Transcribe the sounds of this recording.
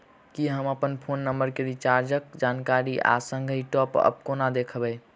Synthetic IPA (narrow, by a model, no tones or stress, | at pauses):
kiɦəməpənpʰonːəmbəɾkeɾit͡ʃaɾd͡ʒəkd͡ʒankaɾiʔa̰səŋɡʱiʈɔpə̰b̚konad̪ekʰbɛj